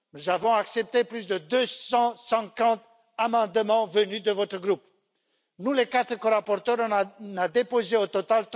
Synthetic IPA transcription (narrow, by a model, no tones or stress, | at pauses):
nuzavɔ̃aksɛp̚t̪eplysd̪əd̪øsɑ̃sɛ̃kɑ̃t̪ | amɑ̃d̪əmɑ̃vənyd̪əvɔt̪χəɡʁup | nulekat̪χəkɔʁapɔʁt̪œʁnad̪epozeot̪ɔt̪alt̪